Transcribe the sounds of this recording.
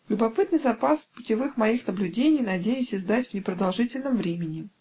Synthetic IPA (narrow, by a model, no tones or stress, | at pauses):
lʲʊbɐpɨt̪nɨjzɐpaspʊtʲɪvɨxmɐixnəblʲʉdʲenʲɪjnɐdʲejʊsʲɪzd̪atʲvnʲɪpɾəd̪ɐlˠʐɨtʲɪlʲnəmvɾʲemʲɪnʲɪ